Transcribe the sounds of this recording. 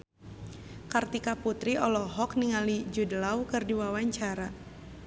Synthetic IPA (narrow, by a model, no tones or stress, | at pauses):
kart̪ikaput̪ɾiʔɔlɔɦɔkniŋalid͡ʒudəlawkɨrdiwawaɲt͡ʃaɾa